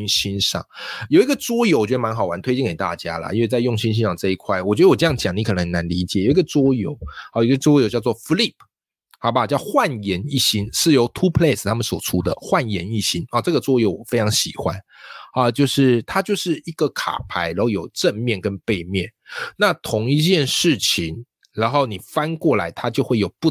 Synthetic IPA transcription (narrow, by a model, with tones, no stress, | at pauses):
nɕi˥nʂɑ̰˥˩ŋjo˨˩ʊi˧˥ɡə˨t͡swɔ˥jo˧˥wɔ˨t͡ɕɥɛ˧d̪ə˧ma˧˥nxɑ˨˩ʊwa˧˥nt̪ʰwe˥ɪt͡ɕi˥˨ŋke˨˩ɪt̪a̰˥˨t͡ɕja̰˥lə̰˩ʔi˥nwe˥˧t͡sa˥˧ɪjʊ˥˩ŋɕi˥nɕ̬i˥nʂɑ˥˧ŋʈ͡ʂɤ˥˧i˧˥kʰwa˥˩ɪwɔ˨˩t͡ɕɥɛ˧˥d̪ə˧wʈ͡ʂɤ˥˧jɑ˥˨˩t͡ɕjɑ˨˩˦ŋni˧˥kʰɤ˨˩nə˧˦ŋna˧˦nli˧˥t͡ɕjɛ˨˩˦jo˨˩ʊi˧˥ɡə˧t͡swɔ˥jo̰˧˥˦ʊ˨˩ji˧ɡə˧t͡swɔ˥jo˧ʊt͡ɕjɑ˥˧t͡swɔ˥˩fli˥˨˩pʰ | ha˧˩ba˨˩˨t͡ɕjɑ˥˧ʊxwa˥˩njɛ˧˥ni˥˩ɕi˥nʂɻ̩˥˩jo˧˥ʊt̪ʰu˥pʰle˥˩st̪ʰa˥mə˨nswɔ˨˩ʈ͡ʂʰu˥d̪ə̰˨xwa˥˩njɛ˧˥˦ni˥˩ɕi˥nɔ˥˧˩ʈ͡ʂɤ˥˩ɡə˩t͡swɔ˥jo˧˥ʊwɔ˨˩fe˥ɪʈ͡ʂʰɑ˧˥ŋɕi˨˩xwa˦n | ɐ˧˩t͡ɕjo˥˧ʊʂɻ̩˥˩t̪ʰa˥t͡ɕjo˥˧ʊʂɻ̩˥˧i˥˩ɡ̥ə˨kʰa̰˨˩pʰa˧˥ɪɻa˧˥xo˥˩jo˨˩ʊʈ͡ʂə˥˧nmjɛ˥˩nkə˦˥npe˥˧ɪmjɛ˥˨˩nna˥˩t̪ʰʊ˧˥˦ŋi˥˧t͡ɕjɛ˥˧nʂɻ̩˥˩t͡ɕʰi˧˦ŋ | ɻa˧˥nxo˥˩ʊni˨˩fa˥nkwɔ˥˩la˧˥ɪt̪ʰa˥t͡ɕjo˥˧ʊxwe˥˩ɪjo˨˩ʊpu˥˩